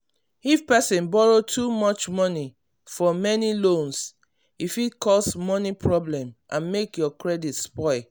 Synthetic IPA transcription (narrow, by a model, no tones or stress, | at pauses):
ifpɛsɛ̃nbɔɹotʰumɔt͡ʃmɔni | fɔmɛnilõns | ifitkʰɔsmɔnipʰɹɔblɛ̃mʔãnmekjɔkɹɛditspɔɪ